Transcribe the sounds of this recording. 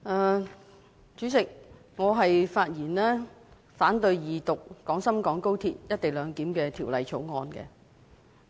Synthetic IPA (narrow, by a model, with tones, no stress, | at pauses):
ʔɛː˧ | t͡ʃyː˨˥sɪ˨k̚ | ŋɔː˨˧ɦɐ˨jfaː˧t̚jiː˨˩nlɛː˥ | faː˨˥nt̪ɵ˧ɥjiː˨t̪ʊ˨k̚ːɔː˨˥ŋsɐ˥mkɔː˨˥ŋko˥wt̪ʰḭː˧t̚jɐ˥t̚t̪e˨jlœː˨˧ŋkiː˨˥mkɛː˧t̪ʰiː˨˩wlɐ˨˧jt͡ʃʰo˨˥wŋɔː˧nkɛ̰˧